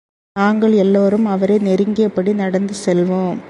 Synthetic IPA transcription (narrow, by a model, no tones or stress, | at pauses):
naːŋɡɐɭɛlːoːɾɯmɐʋɐɾeːnɛɾɯŋɡɪɐpːɐɽinɐɽɐnd̪ɯsɛlʋoːm